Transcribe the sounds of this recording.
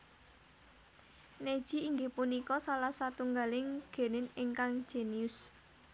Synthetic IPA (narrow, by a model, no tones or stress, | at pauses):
ned̥ʒ̥i̤iŋɡepunikɔsalahsat̪uŋɡalɪŋɡ̥e̤nɪnɪŋkaŋ̥ʒ̥eniʊs